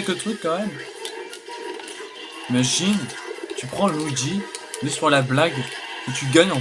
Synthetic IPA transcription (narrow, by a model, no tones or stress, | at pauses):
ɛlkət̪χykːɑ̃mɛm | imaʒint̪ypχɑ̃nud̪ilɛsyʁlablaɡut̪ʰyɡaɲɑ̃